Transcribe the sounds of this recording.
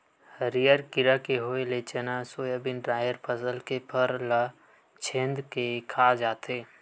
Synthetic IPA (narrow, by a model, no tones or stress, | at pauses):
həɾijəɾkɪɾakeɦoːelet͡ʃənasoːjəbɪnɖɾaːjəɾpʰəsəlkepʰəɾla | t͡ʃʰẽːnd̪kekʰaːd͡ʒaːt̪ʰeː